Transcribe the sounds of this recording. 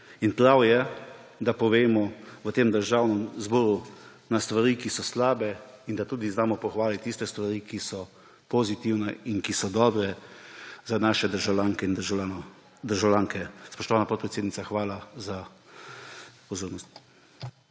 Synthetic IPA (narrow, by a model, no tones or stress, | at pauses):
inpɾawjɛ | d̪apɔʋeːmɔʋət̪eːmd̪əɾʒawnɛmzbɔːɾu | nast̪ʋaɾiːkisɔslaːbɛind̪at̪uːd̪iznaːmɔpɔxʋaːlit̪t̪ːist̪ɛst̪ʋaɾiːkisɔ | pɔzit̪iwnɛinkisɔd̪ɔːbɾɛ | zanaːʃɛd̪əɾʒalʲaːŋkɛind̪an | d̪əɾʒawlʲaːŋkɛspɔʃt̪ɔʋaːnapɔt̪pɾɛt̪seːd̪nitsaxʋaːlaza | pɔzoːɾnɔst̪̚